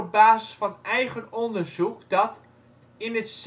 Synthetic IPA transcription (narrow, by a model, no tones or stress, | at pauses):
baːzəsfɑnɛjχənɔndərzukdɑt | ɪnəts